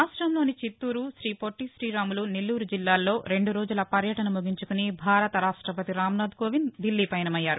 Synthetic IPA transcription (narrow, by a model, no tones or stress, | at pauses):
aːʂʈɾɐmlo̞ːnit͡ʃit̪ːuːɾuʃɾiːpoʈːisɾiːɾaːmulunilːuːɾud͡ʒilːaːlːo̞ːɾe̞ɳɖuɾo̞ːd͡ʒulɐpɐɾjɐʈɐnɐmuɡiɲt͡ʃukunibʱaːɾɐt̪ɐɾaːʂʈɾɐpɐt̪iɾaːmnaːd̪ɡo̞ːʋind̪ilːiːpɐjnɐmɐjːaːɾu